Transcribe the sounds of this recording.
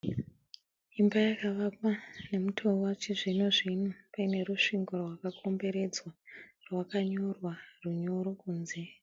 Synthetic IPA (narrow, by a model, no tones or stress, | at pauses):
imbajakaʋapane̞mutʰouwat͡ʃiʐinoʐinopaine̞ɾuʂiŋɡorwakakʰo̞mbe̞ɾe̞d͡zwa | rwakaɲo̞rwaruɲo̞ɾo̞kuːnze̞